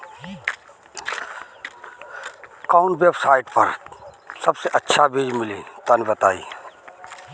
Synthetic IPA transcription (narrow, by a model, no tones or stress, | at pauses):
kaʊɳʈʋeːbsaːɪʈpɐɾ | sɐbseʔɐtːʃʰabiːd͡ʒmɪlĩːt̪anibɐt̪a̰ːḭː